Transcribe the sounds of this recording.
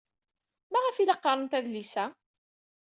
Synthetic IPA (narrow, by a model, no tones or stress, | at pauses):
mæʁæfilɑqːɑɾˤənt̪æðlisæ